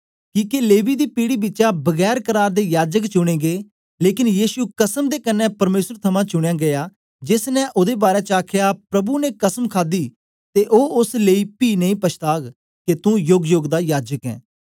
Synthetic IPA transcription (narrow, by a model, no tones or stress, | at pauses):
kiːkeleːʋiːd̪iːpiːɽiːbɪtːt͡ʃabəɡɛːɾkəɾaːɾd̪ejaːd͡ʒəkt͡ʃʊɽ̃ẽːɡeː | leːkɪnjiːsukəsəmd̪eːkənːɛːpɐɾmeːsəɾt̪ʰɐmãːt͡ʃʊɽ̃ejaːɡɐjaː | d͡ʒɪsnɛ̃ʔʊd̪eːbaːɾɛːt͡ʃəaːkʰjapɾɐbunekəsəmkʰaːd̪iː | t̪eʔoːʊsleiːpiːnəĩːpɐʃʰt̪aːɡ | ket̪ũjʊɡjoɡd̪aːjaːd͡ʒəkɛ̰̃ː